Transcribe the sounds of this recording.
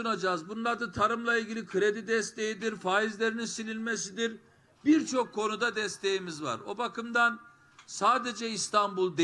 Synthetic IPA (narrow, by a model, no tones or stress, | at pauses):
ɯnad͡ʒaːzbunlˠaɾd̪ɯt̪ʰaɾɯmlˠailʲɟilʲikʰɯɾe̞d̪id̪ɛst̪ʰe̞jid̪iɾfaːizlʲe̞ɾininsilʲilʲme̞sid̪iɾ | biɾt͡ʃʰo̞kʰːo̞nud̪ad̪ɛst̪ʰe̞jimizva̰ɾo̞̰bakʰɯmd̪an | saːd̪e̞d͡ʒɛist̪ʰambulˠd̪e